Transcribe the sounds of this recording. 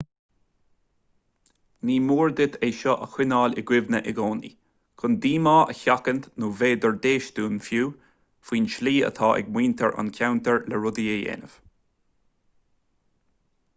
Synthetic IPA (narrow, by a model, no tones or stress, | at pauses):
niːmuːɹd̪ɪt̪ʰeːʃɔʔəxwɪnɑːlɪɡwɪvnəʔɪɡɔːnḭ | kʰʊnd̪iːmɑːʔəçakənt̪nuːveːd̪ɔɹd̪eːʃd̪uːnfjuː | fwiːnʃliːə̰t̪ʰɑːʔɛ̰ɡmwiːnt̪ʰəɹʔa̰nkʲʰawnt̪əɹləɹʊd̪ieḛːnəv̥